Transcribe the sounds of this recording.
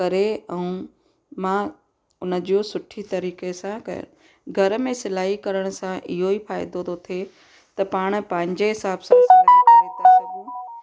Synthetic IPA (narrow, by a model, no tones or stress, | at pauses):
kɐɾeɛũ | mã | ʊnə̆d͡ʑosʊʈʰit̪ɐɾiːkesãkɐ̰jo̰ | ɡʱɐɾ̆mẽsɪlaːikɐɾəɽ̃ʊ̆sãʔɪɦoifaːɪd̪od̪ot̪ʰe | t̪ɐpaːɽ̃̆pɐ̃ɦɪ̃ɲd͡ʑeɦɪsaːbsãsɐ̃eːt̪esɐɡũː